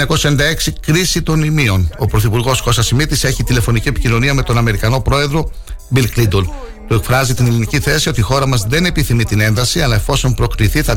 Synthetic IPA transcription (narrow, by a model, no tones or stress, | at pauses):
ɐko̞sɐend̪ɐe̞ksikɾisit̪o̞nimio̞no̞pɾo̞θipuɾɣo̞sko̞sɐsimit̪ise̞çit̪ile̞fo̞nicie̞pi̥cino̞niɐme̞t̪o̞nɐme̞ɾikɐno̞pɾo̞e̞ðɾo̞ | bilklid̪ol | t̪ue̞kfɾɐzit̪ineliniciθe̞sio̞t̪iːxo̞ɾɐmɐzðe̞ne̞piθimit̪ine̞nðɐsiɐlɐefo̞so̞npɾo̞kliθiθɐ